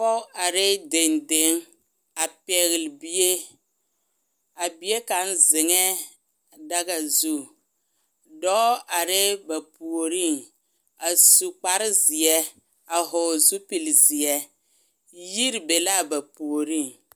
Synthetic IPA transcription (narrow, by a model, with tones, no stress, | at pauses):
pɔ˦ʔa˨ɾɪ˦de˨nde˨˦ŋ | a˨pɛ˨ɣɪ˨lɪ˨bi˨e˦ | a˨bi˨je˦ka˨˦n˦zɪ˨ŋɛ˦ | da˦ɡa˨zu˦˨ | dɔ˦ʔa˨ɾɪ˦ba˨pu˨o˨ɾi˦˨ŋ | a˨su˨k͡pa˨ɾɪ˦zɪ˨ɛ˦ | a˨ɦɔ˨zu˦pi˨lzi˨ɛ˦ | ji˦ɾbe˨la˦˨ba˨pu˨o˨ɾi˦˨ŋ